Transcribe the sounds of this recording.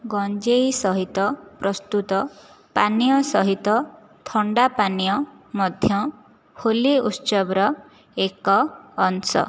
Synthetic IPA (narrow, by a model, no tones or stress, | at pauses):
ɡɔnd͡ʒejsɔɦit̪ɔpɾɔst̪ut̪ɔ | panijɔsɔɦit̪ɔ | t̪ʰɔɳɖapanijɔ | mɔd̪ʱjɔ | holiut͡ʃɔbɾɔ | ekɔːnsɔ̰